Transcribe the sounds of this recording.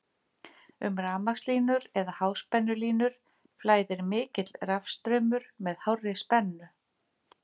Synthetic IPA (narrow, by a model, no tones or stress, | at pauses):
ʏ̰mraːmaxsliːnʏɾɛðahaːwspɛnːʏliːnʏɾ̥ | flaːjðɪɾmɪːcɪt̪lrafst̪ɾœːmʏɾ̥mɛðhawrːɪspɛnːʏ